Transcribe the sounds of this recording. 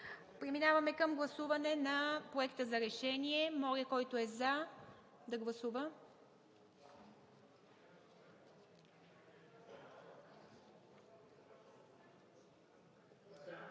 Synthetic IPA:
pɾiminavɐmɛkəmɡlˠɐsuvɐnɛnɐpɾoɛkt̪əzɐɾɛʃɛniɛmɔɾiəkɔjt̪oɛza | d̪ɐɡlˠɐsuvə

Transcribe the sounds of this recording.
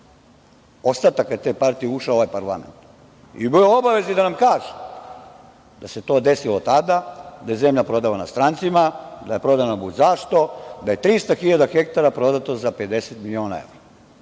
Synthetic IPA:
ost̪at̪akːajt̪epaɾt̪ijeuʃaooʋajpaɾlˠament̪ | ḭbioobaʋe̞zid̪anamkaːʒe̥ | d̪̥ase̞t̪o̞ːd̪e̞silot̪ad̪ad̪aje̞zemʎapɾo̞d̪alanast̪ɾaːnt̪simad̪aje̞pɾo̞d̪anabuzaʃt̪o̞d̪aje̞t̪ɾist̪axiʎad̪axekt̪aɾapɾo̞d̪at̪ozape̞d̪e̞set̪milio̞ːna̰ḛʋɾa

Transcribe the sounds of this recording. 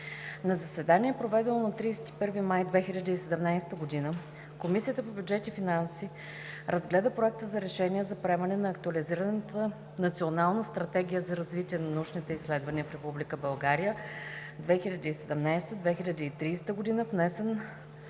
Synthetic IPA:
nɐzɐsvɛd̪aniɛpɾovɛd̪ɛnonɐt̪ɾiːsɛ̥t̪i̥pɤɾvimajd̪vɛxilʲɐd̪əisɛd̪ɛmnajst̪əɡod̪inə | komisiət̪əpobʲjud͡ʒɛt̪ifinansi | ɾɐzɡlɛd̪əpɾoɛk̚t̪əzɐɾɛʃɛnʲiɛzɐpɾɛmɐnɛnɐːkt̪uɐliziɾənt̪ə | nɐt̪sionalˠnəst̪ɾɐt̪ɛɡʲijəzɐɾɐzvit̪iɛnɐnɐuʃnit̪ɛislɛd̪vɐniəfɾɛpublikəbɐlˠɡaɾijəd̪vɛxilʲɐd̪iisɛd̪ɛmnajst̪əd̪vɛxilʲɐd̪iːt̪ɾiːst̪əɡod̪inəvnɛsɛn

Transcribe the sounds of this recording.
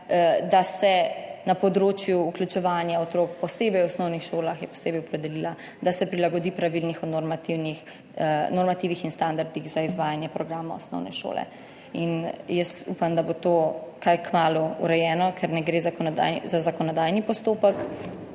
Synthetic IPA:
d̪asɛnapɔd̪ɾoːt͡ʃjuːklʲut͡ʃɛʋaːnjaɔt̪ɾoːk̚pɔseːbɛjwɔsnɔwnixʃoːlaxjɛpɔ̥seːbɛjɔpɾɛd̪ɛlila | d̪asɛpɾilaɡɔd̪ipɾaʋilnixɔnoɾmat̪iwnix | nɔɾmat̪iʋixinst̪and̪aɾd̪iɣzaizʋaːjanjɛpɾɔɡɾaːmaɔsnɔ̰wnɛ̰ʃo̰lɛ̰ | injəst̪ṵpamd̪abot̪oːkajkmaːluṵɾɛjɛːnɔkʰɛɾnɛɡɾeːzakɔ̰zazakɔnɔd̪ajnipɔst̪oːpək

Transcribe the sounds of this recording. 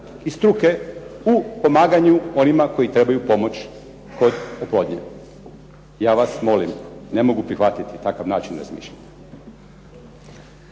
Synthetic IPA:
ist̪ɾuke̞upo̞maːɡaɲuo̞nimako̞jit̪ɾe̞bajupo̞mo̞t͡ɕ | ko̞d̪oplo̞ːd̪ɲḛ | jaːʋasmo̞limne̞mo̞ɡupɾixʋat̪it̪it̪akaʋnaːt͡ʃinɾa̰zmḭːʃʎaɲḁ

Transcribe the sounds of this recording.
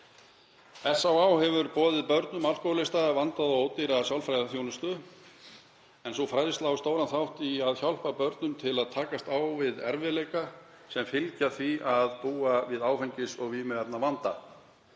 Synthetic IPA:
ɛsːawaːwhɛvʏɾpɔːðɪðpœɾt̪nʏmawlkowlɪst̪avant̪aðɔɣoːwt̪iɾasjawlfɾajðaθjownʏst̪ʏ | ɛnsowfɾajðɪst̪laːwʏst̪oːwɾanθawht̪iaðçjawl̥papœɾt̪nʏmt̪ʰɪlaðt̪ʰaːkast̪awvɪðɛ̰ɾvɪlejka | sɛmfɪlcaθviaðpuːavɪðaːwfɛjɲcɪsɔɣvimɛɛpnavant̪a̰

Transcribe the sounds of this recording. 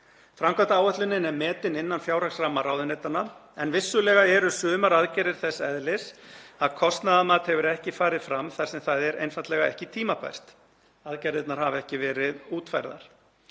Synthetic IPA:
fɾamkat̪aaːwœht̪lʏnːɪnɛɾmɛːt̪ɪnɪnːanfjaːwɾaksramːaraːwðɪnet̪anːaɛnvɪsːʏlɛːɣaɛɾʏsʏːmaɾaðcajɾɪɾ̥θɛsːɛðlɪsaðkʰɔst̪naðamaːt̪hɛvʏɾɛhcɪfaːɾɪðfɾamθaɾ̥sɛmθaðɛɾejnfant̪lɛɣaɛ̰hcɪt̪ʰiːmapʰa̰jst̪ | aðcajɾɪt̪naɾ̥havɛhcɪvɛːɾɪðuːt̪fajɾða̰ɾ̥

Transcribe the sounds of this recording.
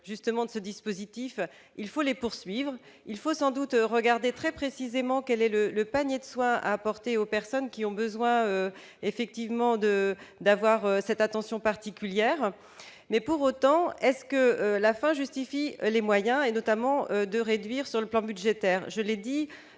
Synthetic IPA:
ʒyst̪əmɑ̃d̪əsəd̪ispozit̪if | ilfolepuʁsɥivʁ | ilfosɑ̃d̪ut̪ʁəɡaʁd̪et̪χɛpχesizemɑ̃kʲɛlɛlələpaɲjed̪əswɛ̃a̰ːpɔʁt̪eopɛʁsɔnkʲiɔ̃bəzwɛ̃ø | efɛk̚t̪ivmɑ̃d̪əd̪avwaʁøsɛt̪at̪ɑ̃sjɔ̃paʁt̪ikʲyljɛːʁ | mɛpuʁot̪ɑ̃ɛskəølafɛ̃ʒyst̪ifilemwajɛ̃enɔt̪amɑ̃ød̪əʁed̪ɥiʁsyʁləplɑ̃byʒet̪ɛːʁʒəled̪i

